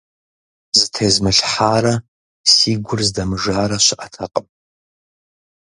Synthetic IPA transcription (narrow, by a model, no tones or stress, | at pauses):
zɨtʰeːzmɨɬħaːɾɐ | siːɡʷʊrzdɐmɨʒaːɾɐɕɪʔɐtʰɐqʼəm